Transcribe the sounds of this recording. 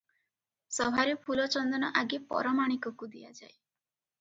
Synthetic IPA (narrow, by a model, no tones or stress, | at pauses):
sɔbʱaɾepʰulɔt͡ʃɔnd̪ɔnɔʔaɡepɔ̰ɾɔmaɽ̃ikɔkud̪ijad͡ʒae